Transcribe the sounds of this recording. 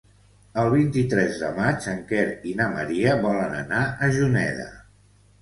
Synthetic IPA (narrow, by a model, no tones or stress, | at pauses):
əlˠβ̞int̪it̪ɾɛzðə̰mat͡ʃəŋkɛɾinaməɾiəβɔlənə̰naʔəʒunɛ̰ðə̰